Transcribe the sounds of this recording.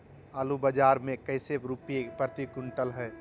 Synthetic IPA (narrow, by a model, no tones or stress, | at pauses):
alubəd͡ʒaːɾmẽkɐɪseɾupijepɾət̪ikʊɳʈəlɦɛː